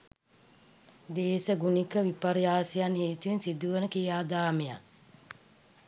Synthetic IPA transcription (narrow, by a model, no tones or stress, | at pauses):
d̪eːsəɡunikəʋipɐɾijaːsijanheːt̪ujensid̪uʋənəkijaːd̪aːmeja̰